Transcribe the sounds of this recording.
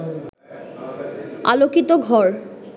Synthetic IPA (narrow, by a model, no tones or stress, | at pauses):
a̰lokit̪oɡʱɔɾ